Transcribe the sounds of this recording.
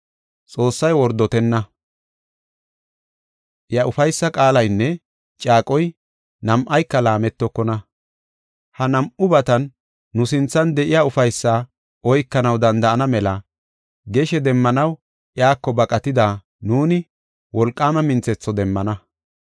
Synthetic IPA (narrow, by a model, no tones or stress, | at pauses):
t͡sʼo̞ːsːɐjwɔɾd̪ɔt̪ɛnːɐ | ʔjɐʔʊfɐjsːɐkʼaːlɐjnːɛ | t͡ʃʼaːkʼɔj | nɐmʔɐjkːɐlaːmɛt̪ːɔkːɔnɐ | hɐnɐmʔʊbɐt̪ɐnː | ʊsɪnt͡sːɐnd̪ɛʔɪjaʊfɐjsːaː | ʔɔjkːɐnɐwd̪ɐnd̪ɐʔɐnɐmɛlɐ | ɡɛʃɛd̪ɛmːɐnɐw | ʔɪaːkːɔbɐkʼɐt̪ɪd̪aː | nuːnɪ | wɔlkʼːaːmɐmɪnt͡sɛt͡sːɔd̪ɛmːɐnɐ